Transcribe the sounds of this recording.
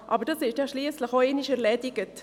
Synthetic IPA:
ʔɑbəɾd̥ɑsɪʃjɑʃliːəsləxoeːnɪʃɛɾlɛdɪɡət

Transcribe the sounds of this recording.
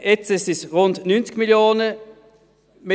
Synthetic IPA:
ʔɛt͡sɛsɪsʁʊndnynt͡sɡ̥miljoːnə | me

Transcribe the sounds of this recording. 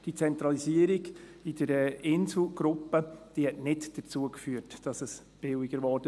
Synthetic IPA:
d̥it͡sɛnt̪ɾɑlisiəɾɪɡ | ɪd̥əɾɛʔɪnsl̩ɡɾʊpːəd̥iːhɛtnɪdd̥əɾt͡suəkfyːəɾtd̥ɑsəs | b̥ɪwɪɡ̥əɾʋɔɾd̥ə

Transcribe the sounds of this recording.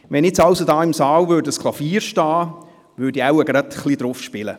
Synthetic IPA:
ʋɛnɪt͡sɑwsodɑːɪmsɑːlvøːɾdəskʰlˠɑfiːɾʃtɑː | ʋøːdiawəɡɾɑtχlid̥̪ɾʊfʃpɪlə̰

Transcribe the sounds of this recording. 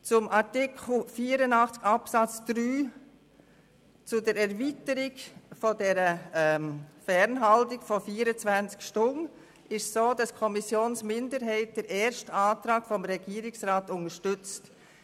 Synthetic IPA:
t͡sʊmʔɑɾtɪkʰl̩fiːəɾənɑχt͡skɑpsɑt͡sd̥ɾyː | t͡sʊdɛɾɛɾvitəɾɪɡfɔdɛɾə | fɛɾnɦɑltɪɡ̥fɔfiːɾət͡svænt͡skʃtʊn | ʔɪʃsoːdɑskʰɔmisjoːnsmɪndəɾɦɛɪt̚d̥ɛɾʔɛːɾʃtɑːtɾɑːkfɔmɾɛɡiːɾɪksʁɑːtʊŋəʃtʏt͡st

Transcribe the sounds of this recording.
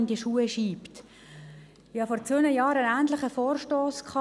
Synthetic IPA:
ndiəʃuːəʃiːpt | ɪhɑfɔɾt͡sønəjɑːɾənæːntləχəfoːrʃtoːskχɑ

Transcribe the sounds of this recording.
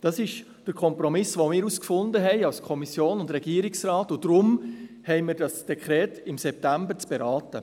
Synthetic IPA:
d̥ɑsɪʃ | d̥əɾkʰɔmpɾɔmɪsʋomɪːɾuskfʊndəɦɛɪɑwskʰɔmisjoːnʊndɾɛɡiəɾɪksɾɑːtʊd̥ɾʊm | hɛɪmɪːɾdɑsd̥ɛkχɾɛːtɪmsɛp̚tæmbəɾt͡sb̥eɾɑːtə

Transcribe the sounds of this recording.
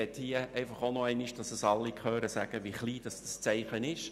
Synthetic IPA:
ɛthiəʔɛɪfɑχonɔɛɪniʃd̥ɑsəsɑlːikχøːɾəsæ̰ɡ̥əʋiχliːd̥ɑsd̥ɑst͡sɛɪχənɪʃ

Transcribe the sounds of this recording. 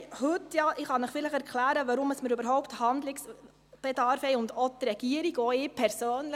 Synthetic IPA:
hʉt̪ːjɑːʔɪχɑnəχfɪləχɛɾkʰlæːɾəʋɑɾʊməsməɾʉbəɾɦɔwpthɑnd̪lɪks | b̥ɛd̪ɑɾfhɛɪʊnd̪ɔt̪ɾɛɡ̥iəɾiɡɔɪpʰɛɾsøːnlə

